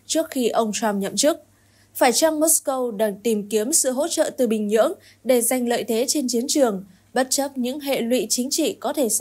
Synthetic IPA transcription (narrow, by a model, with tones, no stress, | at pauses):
t͡ɕɨ˦˥ək̚xi˧ʔə˧wŋ͡mt̪ʰwa˧mɲə̰˧˨mt͡ɕɨ˦˥k̚ | faː˧˩jt͡ɕa˧ŋmo˦˥skə˧wɗaː˨˩ŋt̪i˨˩mki˨˦əmsɨ̰˧˨ɦo̰˧˥t͡ɕə̰ː˧˨t̪ɨ˨˩ɓï˨˩ŋ̟ɲɨ̰˧˥əŋ | ɗe˧˩za˨˩jŋ̟lə̰ː˧˨jt̪ʰe˨˦t͡ɕe˧nt͡ɕi˨˦ənt͡ɕɨ˨˩əŋ | ɓə˦˥t̚t͡ɕə˦˥p̚ɲɨ̰˧˥ŋɦḛ˧˨lwḭ˧˨t͡ɕï˨˦ŋ̟t͡ɕḭ˧˨kɔ˨˦t̪ʰe˧˩s